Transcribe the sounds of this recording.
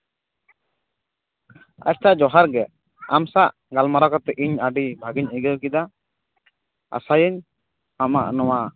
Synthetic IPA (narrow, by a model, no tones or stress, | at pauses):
a̰t͡ʃtaʔd͡ʒɔɦaɾɡɛʔ | amsaʔ | ɡalmaɾakɔt̪ɛʔiɲaɖibʱaɡiɲəɡəwkid̪a | a̰sajəɲ | ama̰ʔnɔwa